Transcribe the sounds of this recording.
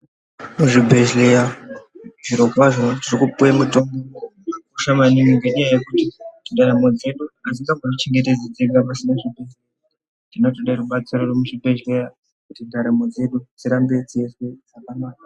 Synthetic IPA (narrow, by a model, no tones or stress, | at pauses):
muʐibʱe̞ʒleja | ʐiɾo̞kwaʐooiʐikupujamuto̞mbokuʃamaniŋiŋɡe̞ɲajajekutiinɗaɾemo̞d͡ze̞ɗuaziŋɡaŋɡonot͡ʃe̞ŋɡe̞t̬e̞d͡zid͡zeɡapasinaʐibʱeze | dino̞toɗaruɓat͡sirorwemuʐibʱe̞ʒle̞ja | kutindaɾamo̞d͡ze̞ɗut͡siɾambet͡siesed͡zakamaːna